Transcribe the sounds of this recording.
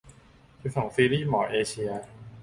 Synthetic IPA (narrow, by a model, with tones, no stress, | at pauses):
t͡ɕʰu˦˥sɔː˩˦ŋsiː˧˥liː˥˩mɔː˩˦ʔeː˧t͡ɕʰi˧ɐ